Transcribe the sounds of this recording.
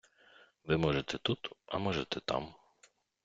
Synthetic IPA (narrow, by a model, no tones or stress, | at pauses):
ʋɪmɔʒɛt̪ɛt̪ut̪ɐ̰mɔʒɛt̪ɛt̪ɑ̰m